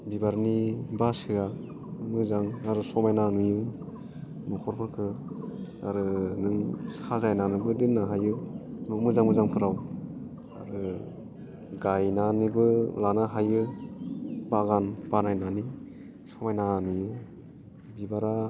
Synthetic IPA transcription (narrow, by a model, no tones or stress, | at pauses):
bibaɾnibasɯa | mɯzaŋaɾɯsɔmajnanujɯ | nɔkʰɔɾpʰɯɾkʰɯ | aɾɯnɯŋsazajnanɯbɯdɯnːaɦajɯnumɯzaŋmɯzaŋpʰɯɾaw | a̰ɾɯ | ɡajnanibɯlanaɦajɯ | baɡanb̥anajnani | sɔmajnanujɯ | bibaɾa